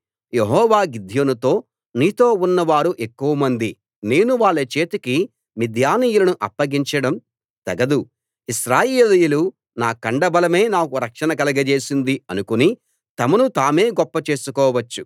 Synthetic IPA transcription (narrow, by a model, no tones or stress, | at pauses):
jeɦɔːʋaːɡid̪ʱjonɐt̪o̞ː | niːt̪o̞ːunːɐʋaːɾuʔe̞kːuʋɐmɐnd̪i | ne̞ːnuʋaːɭːɐt͡ʃeːt̪uki | mid̪ʱjaːniːjulɐnuʔɐpːɐɡiɲt͡ʃɐɽɐm | t̪ɐɡɐd̪u | iʃɾaːjeːlijɐlu | naːkɐɳɖɐbɐlɐme̞ːnaːkuɾɐkʂɐnɐkɐlɐɡɐt͡ʃe̞ːsind̪iɐnukuni | t̪ɐmɐnut̪aːme̞ːɡɔpːɐt͡ʃe̞ːsukɔːʋɐt͡ʃːu